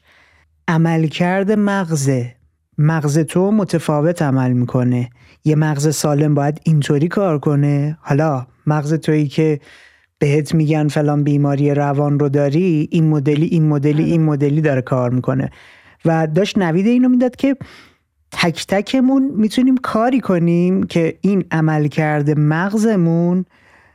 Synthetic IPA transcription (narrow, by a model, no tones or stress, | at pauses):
ʔæmælcʰæɾd̪e̞mæɣze̞ | mæɣze̞t̪ʰomo̞t̪ʰefɒːve̞t̪ʰæmælmiːkʰo̞ne̞ | je̞mæɣze̞sɒːle̞mbɒːjæd̪int̪ʰoɾiːkʰɒːɾkʰo̞ne̞hɒlɒ | mæɣze̞t̪ʰoiːcʰe̞ | b̥e̞ɦet̪ʰmiːɟænfe̞lɒːnbiːmɒːɾije̞ɾævɒːnro̞d̪ɒːɾiʔinmod̪eliʔinmod̪e̞liʔinmo̞d̪e̞liːd̪ɒɾekʰɒːɾmiːkʰo̞ne̞̰ | væd̪ɒːʃtnæviːd̪e̞iːno̞miːd̪ɒd̪̥cʰe̞ | t̪ʰæcʰt̪ʰæcʰe̞munmiːt̪ʰuniːmkʰɒːɾiːkʰo̞niːmcʰe̞inæmælcʰæɾd̪e̞mæɣze̞mun